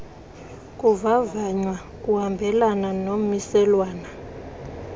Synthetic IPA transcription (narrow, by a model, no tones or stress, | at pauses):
kʼuvavaɲwa | kʼuhambʱɛlananomisɛlwaːna